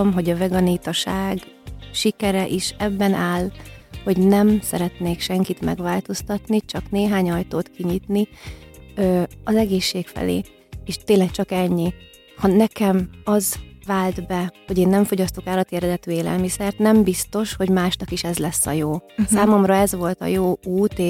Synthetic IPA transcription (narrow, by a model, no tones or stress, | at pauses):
omɦo̞ɟɒvɛɡɒniːt̪ɒʃaːɡʃikɛɾɛʔiʃɛbːɛnʔaːlho̞ɟnɛmsɛɾɛt̪neːkʃɛŋkit̪mɛ̰ɡʋaːlt̪o̞st̪ɒt̪nit͡ʃɒkneːɦaːɲɒjt̪oːt̪kiɲit̪ni | ɒzɛɡeːʃːeːkfɛ̰lḛː | eːʃt̪eːnlːɛk̚t͡ʃɒkɛɲːi | hɒnɛkɛmɒzvaːld̪bɛho̞ɟeːnːɛɱfo̞ɟɒst̪okaːlɒt̪jɛɾɛd̪ɛt̪yːeːlɛ̰lmisɛrt̪nɛmbist̪o̞ʃho̞ɟmaːʃnɒkiʃɛzlɛsːɒ̰joːsaːmo̞mrɒɛzʋo̞lt̪ɒ̰joːuːt̪eː